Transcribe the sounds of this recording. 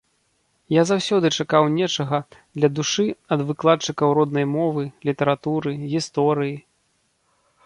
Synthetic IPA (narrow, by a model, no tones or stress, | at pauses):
jazawsʲɔd̪ɨt͡ʂakawnʲɛt͡ʂɐɣɐd̪lʲɐd̪uʂɨɐd̪vɨklˠat̪̚t͡ʂɨkɐwɾɔd̪nɐjmɔvɨlʲit̪ɐɾat̪uɾɨɣʲist̪ɔɾɨji